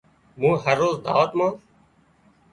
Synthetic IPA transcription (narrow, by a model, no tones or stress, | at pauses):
mũːɦəɾːoːzd̪ʱa̰ːʋt̪mãː